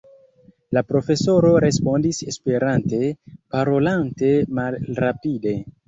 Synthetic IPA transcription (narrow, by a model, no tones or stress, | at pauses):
lapɾo̞fe̞so̞ɾo̞ɾe̞spo̞ndise̞spe̞ɾante̞paɾo̞lante̞malɾapide̞